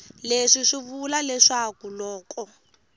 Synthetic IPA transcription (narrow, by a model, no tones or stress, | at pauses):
leʂiʂiβulalɛʂakulɔːkɔ